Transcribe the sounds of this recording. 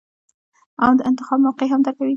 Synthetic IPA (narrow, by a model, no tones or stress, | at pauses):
awd̪əʔɪnt̪ɪxɑbmawqeɦamd̪əɾkawi